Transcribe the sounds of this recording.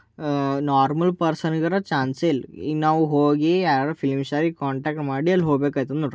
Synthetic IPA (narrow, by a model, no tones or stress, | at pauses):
naːɾmɐlpɐɾsɐnɡɐɾɐt͡ʃaːnselḭnaːʋuɦoːɡiaːɾaɾufʰilmʃaːɾikaːɳʈaːk̚ʈmaːɽiɐlːɦoɡbeːkaːjt̪ɐnoːʈ